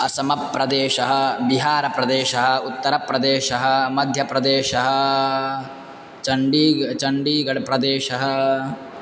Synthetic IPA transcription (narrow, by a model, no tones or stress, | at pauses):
ɐsɐmɐpːɾɐd̪eːʃɐɦɐ̆biɦaːɾɐpɾɐd̪eːʃɐɦɐ̆ut̪ːɐɾɐpɾɐd̪eːʃɐɦɐ̆mɐd̪ʱjɐpɾɐd̪eːʃɐɦɐ̆ | t͡ʃɐɳɖiːt͡ʃɐɳɖiːɡɐɭɐpɾɐd̪eːʃɐɦɐ̆